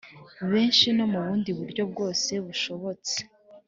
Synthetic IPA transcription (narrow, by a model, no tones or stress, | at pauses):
βe̞ːnʃino̞muβuːndiβuɾɟo̞b̚ɡo̞ːse̞βuʃo̞βo̞t͡se̥